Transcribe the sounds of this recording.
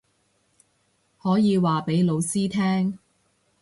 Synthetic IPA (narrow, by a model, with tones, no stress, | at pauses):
hɔː˨˥jiː˨˧waː˨pe˨˥jlo˨˧wsiː˥t̪ʰɛː˥ŋ